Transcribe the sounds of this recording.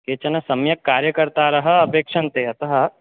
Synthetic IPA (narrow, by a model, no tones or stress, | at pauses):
keːt͡ʃɐnɐsɐmjɐkːaːɾjəkɐɾt̪aɾɐɦɐɐpeːkʃɐnt̪eːɐt̪ɐɦɐ